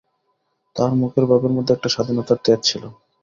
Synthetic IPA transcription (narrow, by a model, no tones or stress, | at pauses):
t̪aɾmukʰeɾbʱabeɾmod̪ʱːeɛk̚ʈaʃad̪ʱinot̪at̪eɾt͡ɕʰilo